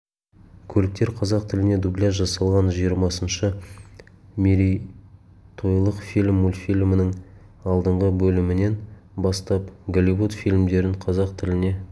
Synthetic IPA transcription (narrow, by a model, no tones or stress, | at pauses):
kʲʰɵlɪk̚t̪e̞ɾqʰɑzɑq̚t̪ʰɪlɪne̞d̪ublʲijas̬ʒɑsɑlˠʁɑnʒijəɾmɑsənʃə | mʲeɾʲij | t̪ʰo̞jlˠəqfilʲmulʲfilʲmɪnɪŋ | ɑlˠd̪əɴʁəbɵlɪmɪne̞n | bɑst̪ɑpɡolʲivut̪filʲmd̪e̞ɾɪɴqʰɑzɑqt̪ʰɪlɪne̞